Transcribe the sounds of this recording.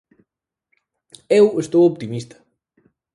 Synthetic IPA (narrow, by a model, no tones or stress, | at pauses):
ewest̪owopt̪imist̪ɐ̥